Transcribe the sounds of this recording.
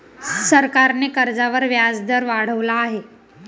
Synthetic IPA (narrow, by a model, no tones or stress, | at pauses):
səɾkaɾnekəɾd͡zaʋəɾʋjad͡zd̪əɾʋaɽ̤əʋlaːɦe